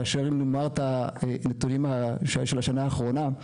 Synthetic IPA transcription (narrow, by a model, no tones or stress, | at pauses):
aʃeʁimnomaʁtanet̪unimaʃʃelaʃanaːχʁo̞na